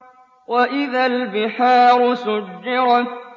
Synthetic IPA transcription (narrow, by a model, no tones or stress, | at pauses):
waʔɪðalbɪħaːɾʊsʊd͡ʒːɪɾ